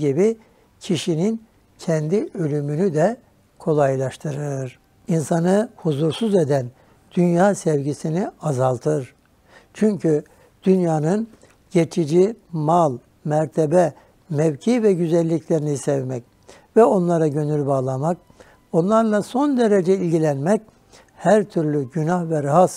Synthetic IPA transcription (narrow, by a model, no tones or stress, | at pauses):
ɟibi | cʰiʃinin | cʰɛnd̪iø̞lʲymynyd̪ɛ | kʰo̞lˠajlˠaʃt̪ʰɯɾɯɾ̥ | insanɯhuzuɾsuze̞d̪æn | d̪̥ynjaːsɛvɟisiniazalˠt̪ʰɯɾ | t͡ʃʰyɲcʰy | d̪̥ynjaːnɯn | ɟe̞t͡ʃʰid͡ʒimalˠ | mæɾt̪ʰebɛ | mɛvcʰiːvɛɟyzɛlʲːicʰlʲe̞ɾinisɛvmɛc̚ | vɛo̞nlˠaɾaɟø̞nylʲbaːlˠamak̚ | o̞nlˠaɾlˠaso̞nd̪e̞ɾe̞d͡ʒɛilʲɟilʲænmɛc | hæɾt̪ʰyɾlʲyɟynahvɛɾaɦas